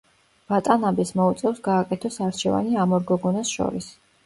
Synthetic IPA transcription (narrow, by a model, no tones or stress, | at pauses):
v̥at̪ʼanabismɔut̪sʼɛvsɡaːkʼɛt̪ʰɔsaɾt͡ʃʰɛva̰niamɔɾɡɔɡɔnasʃɔ̰ɾis